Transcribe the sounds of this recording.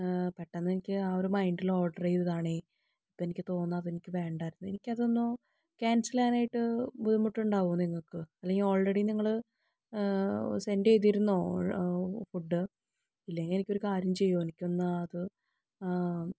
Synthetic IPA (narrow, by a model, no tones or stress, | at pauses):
peʈːɐnːenikʲːɨaːoɾumɐjɳɖilo̞ːɖɐrɐjiðiðaːɳe | ɐpːenikʲːɨt̪o̞ːnːɐːðe̞nikʲːɨʋe̞ːɳɖaːjiɾunːue̞nikʲːɐðonːoː | kaːnsilaːnaːjiʈːɨbuðumuʈːuɳɖaːʋuɣnːniŋːɐɭkɨɐlːeŋɡilo̞ːɭreɽiniŋːɐɭ | se̞ndejt̪̬ːiɾunːo̞ː | fuɖːɨ | ilːɐŋenikʲːo̞ɾukaːɾjɐmt͡ɕe̞jːo̞ːenikʲːonːɐːðɨ